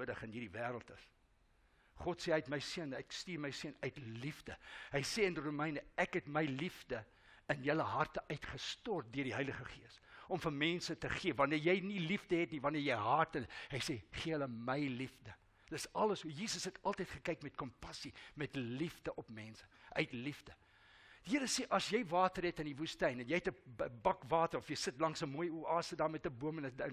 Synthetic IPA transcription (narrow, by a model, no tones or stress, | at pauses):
uədəχənɦiːrdivæːɾəlˠtəs | χɔtseœɥtməjsiənækstiːrməjsiənœɥtlivdəɦəjseːənirumɛjnəækɦɛtməjlivdə | ənjələɦɐrtəʔœɥtχəstɔrt̚døərdiɦɐjləχəχiəsɔmfənmɛnsətəχiəvɐniərjɛjnilifdəɦɛtnivɐniərjɛjɦɐrtələɦɐjseχiəɦələməjlifdə | d̥əsɐləsɦujiːsəsɦɛtɐlˠtəjtχəkɛjkmɛt̚kɔmpɐsimɛtlifdəʔɔpmɛnsə̥ʔœɥtlifdə | d̥iɦəɾəseʔɐsjɛjvɑːtəɾɛtəndivustɛjnɛnjɛjɛtəəbɐkvɑːtərɔfjɛjsətlɐŋsəmuəjuɑːsədɑːmɛtəbuəmənəd